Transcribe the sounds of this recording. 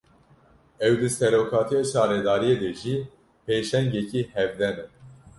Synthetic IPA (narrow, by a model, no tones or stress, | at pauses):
ɛwd̪ɨsɛɾoːkʰɑːt̪ʰijɑʃɑːɾɛd̪ɑːɾijed̪ɛʒi | pʰeːʃɛŋɡɛcihɛvd̪ɛnɛ